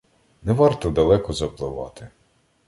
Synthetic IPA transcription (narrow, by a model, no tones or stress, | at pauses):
nɛʋɑrt̪ɔd̪ɐlˠɛkɔzɐplˠɪʋɑ̰t̪ɪ